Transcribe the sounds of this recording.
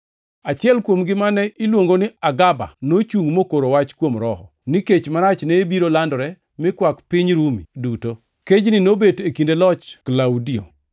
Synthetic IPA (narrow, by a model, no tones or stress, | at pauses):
at͡ʃɪɛlkwomɡɪmanɛʔɪlwoŋɡonɪaɡaba̰not͡ʃuŋmokoɾowat͡ʃkwomɾɔhɔ̰nɪket͡ʃmaɾat͡ʃnɛbiɾolandɔɾɛ | mɪkwakpɪɲɾumiduto | ked͡ʒnɪnobetekindelɔt͡ʃklawdio̰